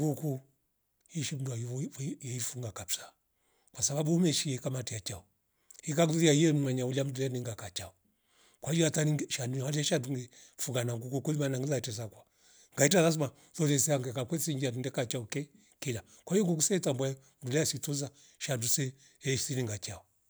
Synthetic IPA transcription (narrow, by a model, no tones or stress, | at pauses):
ɡuku | hiʃim̩duaɛifuŋɡakapsḁ | kwasabaɓuumɛʃiɛkamatiat͡ʃaɔ | hikaɡuijaiɛm̩nwaɲaulam̩duɛniŋɡakat͡ʃaɔ | kwaid͡ʒɔataniʃandualɛɛʃanduŋɡɛ | fuŋɡanaŋɡukɔkɔimanaŋɡilaitɛsakwa | ŋɡaitazas̬uma | lɔðɛsɛaŋɡɛkakwɛsiɲd͡ʒiadunɡɛkat͡ʃaɔkɛ | kɛla | kwaijɔŋɡuk̬usɛtambɔɛ | m̩dulaasituza | ʃandusɛ | ɛʃisiniŋɡat͡ʃaɔ